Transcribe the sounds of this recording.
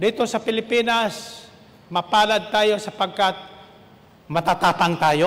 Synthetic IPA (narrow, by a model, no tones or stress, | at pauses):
d̪iːt̪osɐpɪlɪpiːnas | mɐpaːlad̪̚t̪aːjo̞sɐpɐɡ̚kat̪̚ | mɐt̪at̪aːt̪aŋt̪aːjo